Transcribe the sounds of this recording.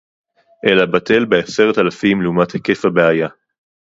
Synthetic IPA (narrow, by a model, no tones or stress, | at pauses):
ʔelabate̞lbease̞ʁetalafimleumathekefabeaja